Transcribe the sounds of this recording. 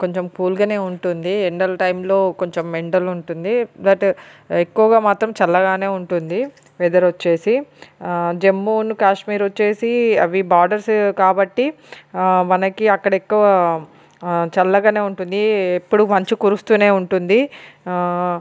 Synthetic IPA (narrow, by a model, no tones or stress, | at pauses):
ko̞ɲt͡ʃe̞mkuːlɡaːne̞ːuɳʈund̪ieɳɖɐlʈɐjmlo̞ːko̞ɲt͡ʃemːeɳɖɐluɳʈund̪id̪ɐʈekːuʋɐɡaːmaːt̪ɾɐmt͡ʃɐlːɐɡaːne̞ːuɳʈund̪i | ʋeːd̪ɐɾot͡ʃːe̞ːsi | d͡ʒe̞mːuːnukaːʂmiːɾot͡ʃːe̞ːsiɐ̰ʋibaːɾɖɐɾskaːbɐʈːi | mɐnɐkiɐkːɐɽɐekːuʋɐ | t͡ʃɐlːɐɡaːneːuɳʈund̪iepːuɽumɐɲt͡ʃikuɾust̪uːne̞ːuɳʈund̪i